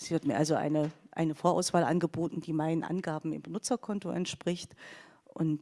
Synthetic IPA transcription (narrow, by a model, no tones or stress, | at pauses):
z̥iːvɪɐtmiːɐʔalzoʔa̰ɪnəʔa̰ɪnəfoːɐʔa̰ʊsv̥aːlʔanɡəboːtn̩d̥iːmaɪnənʔa̰nɡaːbm̩ɪ̰mbənʊt͡sɐkʰɔntoʔɛ̰ntʃpʁ̥ɪçt | ʔʊnt